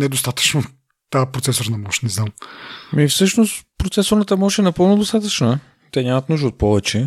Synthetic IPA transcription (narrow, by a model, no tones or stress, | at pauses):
nɛd̪ost̪at̪ə̥t͡ʃno | t̪apɾot̪sɛsoɾnɐmɔʃnɛznammifsɤʃnost̪pɾot̪sɛsoɾnət̪əmɔʃɛnɐpɤlˠnʊd̪ost̪at̪ət͡ʃnə | t̪ɛɲʲamət̪nuʒd̪əot̪̚pɔvɛt͡ʃɛ